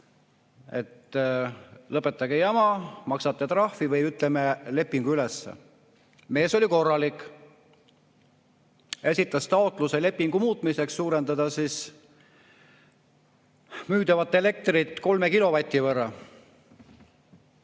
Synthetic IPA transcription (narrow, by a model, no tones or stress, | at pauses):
e̞̰t̪ː | lɤpːˑe̞t̪ːˑɑɡejɑmɑmɑksɑt̪ːˑet̪rɑhfivɤjyt̪ˑlemele̞pːˑiŋɡ̥uylesːḛ | me̞ːso̞lʲiko̞rːɑlikˑ | e̞sʲit̪ːˑɑst̪ɑot̪ˑluse̞le̞pːiŋɡ̥umuːt̪ˑmise̞ksːuːɾe̞nd̪̥ɑd̪̥ɑsis | myːd̪̥ɑvɑt̪ˑːe̞le̞k̚t̪rit̪ˑːko̞lme̞kilo̞vɑt̪ʲˑːivɤrːɑ